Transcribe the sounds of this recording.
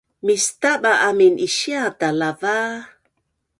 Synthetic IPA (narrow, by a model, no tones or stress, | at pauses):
mist̪aɓaʔaminiʃiadalava